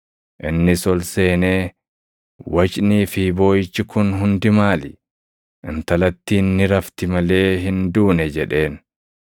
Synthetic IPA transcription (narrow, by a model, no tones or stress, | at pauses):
ʔɪnːɪsɔlse̞ːneː | wɐt͡ʃʼniːfibo̞ːjɪt͡ʃːɪkʊnɦʊnd̪ɪmaːlɪ | ʔɪnt̪ɐlɐt̪ːiːnːɪɾɐft̪ɪmɐle̞ːɦɪnd̪uːnɛd͡ʒɛᶑe̞ːn